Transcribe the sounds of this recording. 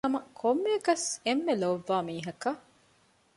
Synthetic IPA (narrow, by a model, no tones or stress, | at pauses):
ɐmɐkʰomːeːɡɐsemːeloʋːaːmiːɦɐkɐ